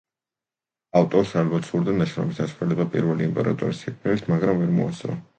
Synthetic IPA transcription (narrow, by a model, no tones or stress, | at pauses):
aft̪ʼɔɾsalɛbat̪suɾd̪anaʃɾɔ̰misd̪asɛlɛbapʼḭɾvɛliimpʼɛ̰ɾa̰t̪ʼɔɾisɛkʰmɛlit̪ʰmaɡɾamvɛɾmɔ̰a̰sʼɾɔ̰